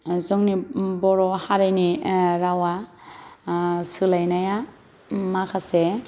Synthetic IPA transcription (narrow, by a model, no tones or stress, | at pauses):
zɔŋnibɔɾɔhaɾajniɾawa | sɯlajnaja | makʰase